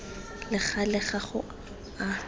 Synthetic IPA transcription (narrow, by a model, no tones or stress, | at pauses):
lɪχalɪχaχʊ | a